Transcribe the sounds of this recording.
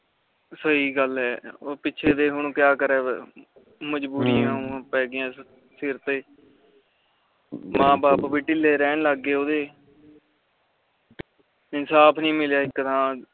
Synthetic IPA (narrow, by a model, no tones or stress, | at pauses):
səiːɡəlɦɛːoːpɪːʃʰeːd̪eːɦʊɳ̃kɪjaːkəɾɛː | məd͡ʒbuːɾijãːõpɛːɡɪãː | sɪɾt̪eː | mãːbaːpʋiːʈɪleːɾɛːnləɡːeːoːd̪eː | ɪnsaːpʰnĩːmɪljaːɪkːəd̪ʰãː